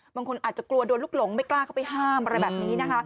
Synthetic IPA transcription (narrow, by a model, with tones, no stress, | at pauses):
baː˧ŋkʰo˧nʔaː˨˩t̪̚t͡ɕa˨˩klu˧ɐdu˧nlu˥˩k̚lo˩˦ŋma˥˩jklaː˥˩kʰa˥˩wpa˧jɦaː˥˩mʔa˧ɾa˧jbɛː˨˩p̚niː˦˥na˦˥kʰa˦˥